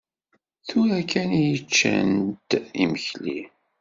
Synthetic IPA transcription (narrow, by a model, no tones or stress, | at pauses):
θʊɾækænijət͡ʃːæ̰nt̪iməçli